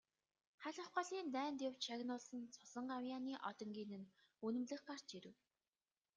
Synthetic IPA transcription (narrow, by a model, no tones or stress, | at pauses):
χæɮə̆χɢɔ̆ɮiːnt̪æːnt̪ʊw̥t͡ɕʃʰaɣnʊːɮsə̆nt͡sʰʊsə̆ɴɢawjaːniːʔɔt̪ɞ̆ŋɡʲiːnɘ̆n | ɵnɵ̆mɮɘ̆χɢar̥t͡ɕiɾɘ̆w